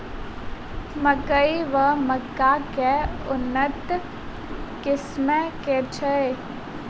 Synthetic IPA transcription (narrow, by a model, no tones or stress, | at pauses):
məkəiʋəməkːakeʊnːət̪ | kɪsmɛket͡ʃʰəe